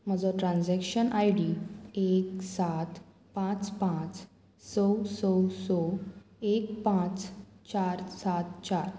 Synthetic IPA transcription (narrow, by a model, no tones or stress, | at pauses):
m̤əd͡zɔʈɾãnd͡zɛkɕənʔajɽieksat̪ | pãt͡spãt͡s | səwsəwsɔ | ekpãt͡st͡ɕaɾsat̪t͡ɕaɾ